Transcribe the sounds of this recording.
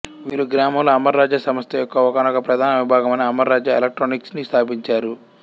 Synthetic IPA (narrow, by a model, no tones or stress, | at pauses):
ʋiːɾuɡɾaːmɐmluɐmɐɾːaːd͡ʒjasɐmɐst̪ejɔkːɐɔkanɐkɐpɾɐd̪ʱaːnɐʋibʱaːɡɐmɐniɐmɐɾːaːd͡ʒaelek̚ʈɾoːniksnist̪ʰaːp̬iɲt͡ʃaːɾu